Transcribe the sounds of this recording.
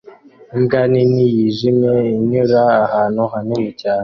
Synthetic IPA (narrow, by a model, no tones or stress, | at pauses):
imɡaːninijiʒimeiɲuɾaːhaːnoɦanumicaːne